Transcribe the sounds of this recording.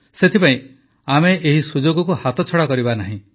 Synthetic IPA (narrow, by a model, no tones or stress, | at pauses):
set̪ʰipaĩ | ameʔeɦisud͡ʒoɡɔkuhat̪ɔt͡ʃʰɔɽakɔɾibanaɦĩ